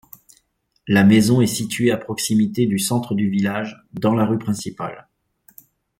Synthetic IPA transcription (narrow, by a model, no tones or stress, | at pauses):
lamezɔ̃ɛsit̪ɥeapχɔksimit̪ed̪ysɑ̃t̪χəd̪yvilaʒ | d̪ɑ̃laʁypχɛ̃sipa̰l